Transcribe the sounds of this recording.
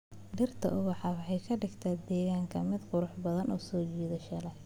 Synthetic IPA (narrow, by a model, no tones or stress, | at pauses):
ɖɪrt̪ʰɐ̰ʔʊβɑħɑwɑħɑjkʰɐɖɪɡt̪ʰaːd̪ɛːɣaːŋkʰɐmɪd̪qʊɾʊħbɐðɐnʔɔːsɔːt͡ʃiːðɐʃɐlɐ